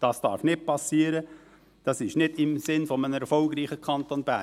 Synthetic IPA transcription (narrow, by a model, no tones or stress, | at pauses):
d̥ɑsd̥ɑ̰ːɾfnɪt̚pɑsiːəɾə | d̥ɑsɪʃnɪdɪmsɪnfɔmənəɛɾfɔlɡɾiːχəkʰɑnt̪onbæ